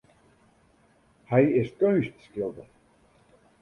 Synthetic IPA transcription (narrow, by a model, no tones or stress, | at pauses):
hɛjɪskøɥstskɪlˠdə